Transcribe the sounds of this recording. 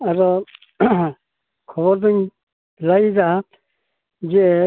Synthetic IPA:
aɾɔ | kʰɔβɔɾd̪uɲ | lajzaa | d͡ʒɛ

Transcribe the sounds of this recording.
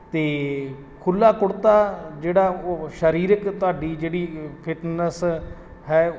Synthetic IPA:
t̪eː | kʰʊlːaːkʊɽt̪aːd͡ʒeːɽaːoʃəɾiːɾəkt̪ʊaːɖiːd͡ʒeːɽiːpʰɪʈnəs | ɦɛː

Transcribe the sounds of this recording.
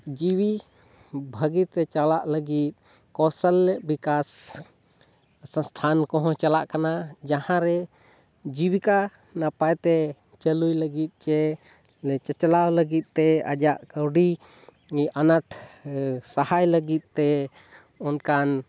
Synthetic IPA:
d͡ʒiwi | bʱəɡit̪ɛt͡ʃalaʔləɡit̪̚ | kɔsəlːɛʔbikas | ə̃st̪ʰankɔɦɔ̃t͡ʃalaʔkanad͡ʒahãɾɛ | d͡ʒiwika | napajt̪ɛ | t͡ʃəlujləɡit̪̚ˀt͡ʃɛ | lɛt͡ʃɛt͡ʃlawləɡit̪̚ˀt̪ːɛa̰d͡ʒaʔkəwɖi | anaʈʰ | sahajləɡit̪̚ˀt̪ːɛ | ɔnkan

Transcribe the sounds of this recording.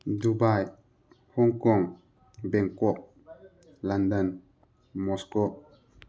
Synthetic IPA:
dubaj | hɔŋkɔŋ | bɛŋkɔʔ̚ | landan | mɔskɔ

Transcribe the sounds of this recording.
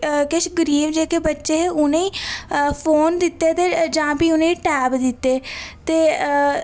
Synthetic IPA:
kɪʃɡəɾiːbd͡ʒeːkeːbətːʃeːɦeʊnẽĩːpʰoːnd̪ɪt̪ːeːt̪eːd͡ʒãːbiːʊnẽːĩːʈɛːbd̪ɪt̪ːeːt̪eː

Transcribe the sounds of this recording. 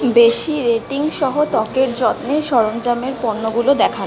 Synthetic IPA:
beʃiɾeʈiŋʃɔɦot̪ɔkeɾd͡ʑɔt̪neʃɔɾond͡ʑameɾpɔɾnːoɡulod̪ɛkʰan

